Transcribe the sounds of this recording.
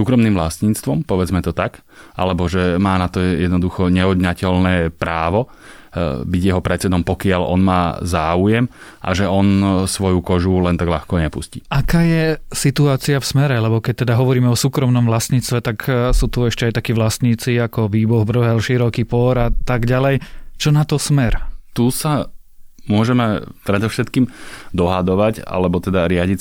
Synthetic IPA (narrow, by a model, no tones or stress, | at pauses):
suːkɾɔmniːmʋlasɲiːt͡st̪ʋɔmpɔʋɛd͡zmɛt̪ɔt̪ak | ʔa̰lɛbɔʒɛmaːnat̪ɔjɛd̪nɔd̪uxɔɲɛɦɔd̪ɲacɛlnɛːpɾaːʋɔ | biɟjɛɦɔpɾɛtt͡sɛd̪ɔmpɔkɪalɔ̰nma̰ːzaːujɛmʔa̰ʒɛɔnsʋɔjukɔʒulɛnt̪aɡʎa̰xkɔɲɛpusciʔakaːjɛsit̪uaːt͡siafsmɛɾɛlɛbɔkɛc̚t̪ɛd̪aɦɔʋɔɾiːmɛɔsuːkɾɔmnɔmʋlasɲiːt͡sst̪ʋɛt̪aksuːt̪uɛʃcɛajt̪akiːʋlast̪ɲiːt͡siakɔʋiːbɔɣbr̩ɦɛlʃiɾɔkipɔɾat̪aɡɟalɛjt͡ʃɔnat̪ɔsmɛɾt̪usa | mʊɔʒɛmɛpɾɛd̪ɔʊʃɛt̪kiːmd̪ɔɦad̪ɔʋaca̰lɛbɔt̪ɛd̪aɾɪaɟi